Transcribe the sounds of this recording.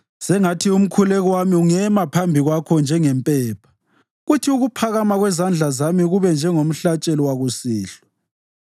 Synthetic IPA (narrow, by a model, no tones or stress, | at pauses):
sɛŋatʰium̩kʰulɛɣɔwamiuŋɛmapʰambʱiɣwakʰɔnd͡ʒʱɛŋɛmpʼɛːpʰḁ | ɣutʰiuɣupʰaɣamaɣwɛzand͡ɮʱazamiɣuβɛnd͡ʒʱɛŋom̩ɬat͡ʃʼɛliwaɣusiːɬɔ̥